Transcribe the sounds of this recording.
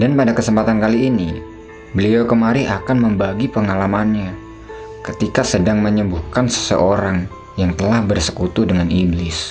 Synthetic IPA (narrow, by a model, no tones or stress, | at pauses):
danpadakəsəmpat̪ankaliːni | bəliakəmaɾiʔakanməmbaɡipəŋalamanɲa | kət̪ikasədaŋməɲəmbuhkansə̥sə̰ʔoɾaŋ | jaŋt̪əlahbərsə̥kut̪udəŋaniblɪs